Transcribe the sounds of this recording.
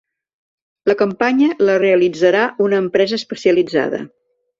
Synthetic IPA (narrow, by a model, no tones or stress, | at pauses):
ləkəmpaɲələreəlid͡zəɾaunəːmpɾɛzəːspəsiəlid͡za̰ðə̰